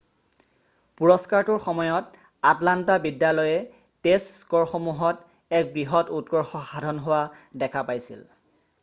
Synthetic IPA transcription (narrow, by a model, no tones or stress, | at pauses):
puɹɔskaɹtʊɹxɔmɔjɔt | atlantabidjalɔjɛ | teskɔɹxɔmuɦɔt | ɛk̚bɹiɦɔtutɡɔɹxɔxadʱɔnɦowadɛkʰapajsḭl